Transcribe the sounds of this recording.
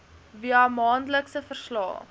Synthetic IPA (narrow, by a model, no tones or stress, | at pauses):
viəamɑːndələksəfərslɑ̰ː